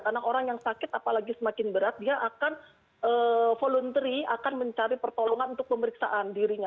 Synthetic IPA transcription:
karnaʔoɾaŋjaŋsakɪt̪apalaɡisəmakɪnbəɾat̪̚diaʔakan | əːfolunt̪ɾiakanməɲt͡ʃaɾipərt̪oloŋanunt̪ʊk̚pəməɾiksaʔandiɾiɲa

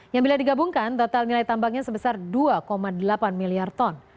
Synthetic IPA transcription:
jaŋbiladiɡabuŋkant̪ot̪alnilajt̪ambaŋɲasəbəsarduakomadəlapanmiliart̪ɔn

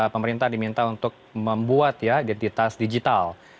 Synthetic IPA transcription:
pəməɾint̪ahdimint̪aunt̪ʊk̚məmbuat̪jaidɛnt̪it̪asdid͡ʒit̪al

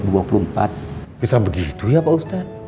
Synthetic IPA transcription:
duapulumpa̰t̪̚bisaŋbəɡit̪ujapaust̪at̪̚

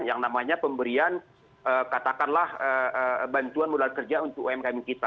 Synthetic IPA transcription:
njaŋnamaɲapəmbəɾian | əkat̪akanlahəəbant̪uanmulalkərd͡ʒaunt̪ʊkoɛmkamikit̪a

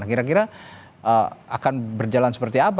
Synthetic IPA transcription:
akiɾak̬iɾa | əakanbərd͡ʒalansə̥pərt̪iap

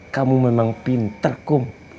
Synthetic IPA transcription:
kamumənaŋpint̪ərkʊm

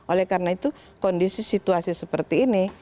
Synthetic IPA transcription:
ʔolɛhkaɾnait̪u | kɔndisisit̪uasisəpərt̪iːni

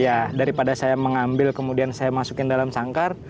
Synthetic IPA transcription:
jadaɾipadasajaməŋambɪlkəmudiansajamasukɪndalamsaŋkar

